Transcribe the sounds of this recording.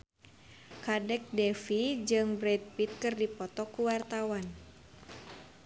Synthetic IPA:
kadɛk̚dɛfid͡ʒɨŋbɾɛt̪̚pit̪̚kɨrdipɔt̪ɔkuwart̪awan

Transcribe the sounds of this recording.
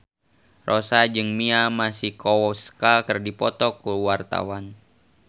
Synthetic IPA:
rʔɔsad͡ʒɨŋmiamasihkɔwɔskakərdipɔt̪ɔkuwart̪a̰wan

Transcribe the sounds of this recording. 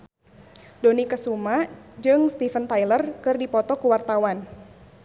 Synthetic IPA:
donikəsumad͡ʒɨŋst̪ifənt̪ajlərkɨrdipɔt̪ɔkuwart̪awan

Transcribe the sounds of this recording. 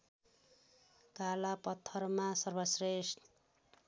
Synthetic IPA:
kalapʌt̪ʰːʌrmasʌrbʌsrest̪

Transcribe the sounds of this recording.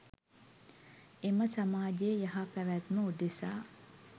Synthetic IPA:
eməsamaːd͡ʒejəjaɦapæʋæt̪məud̪esaː

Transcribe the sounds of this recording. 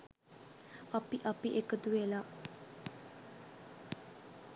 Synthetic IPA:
ɐpiʔapiʔekət̪uʋela

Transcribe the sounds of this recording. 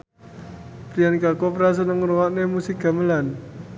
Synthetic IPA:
pɾijanikakopɾas̬ənəŋɾuwaʔnemusik̚ɡ̥a̤məlan

